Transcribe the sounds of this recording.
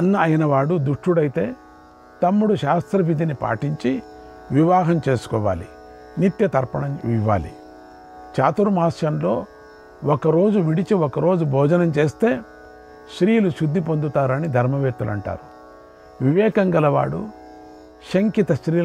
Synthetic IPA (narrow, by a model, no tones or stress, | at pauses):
ɐnːɐɐjinɐʋaːɽud̪uʂʈuɽɐjt̪e̞ː | t̪ɐmːuɽuʃaːst̪ɾɐʋid̪ʱinipa̰ːʈiɲt͡ʃi | ʋiʋaːɦɐmt͡ʃeːsu̥kɔːʋa̰ːli | nit̪jɐt̪ɐɾpɐɳɐmiʋa̰ːlḭ | t͡ʃaːt̪uɾumaːʃjɐmlo̞ː | ɔkɐɾo̞ːd͡ʒuʋiɽit͡ʃiɔkɐɾo̞ːd͡ʒubʱɔːd͡ʒɐnɐmt͡ʃe̞ːst̪e̞ː | ʃɾiːluʃud̪ʱːipond̪ut̪aːɾɐnid̪ʱɐɾmɐʋeːt̪ːulɐ̰ɳʈa̰ːɾu | ʋiʋɛːkɐŋɡɐlɐʋa̰ːɽṵ | ʃɐŋkit̪ɐʃɾiː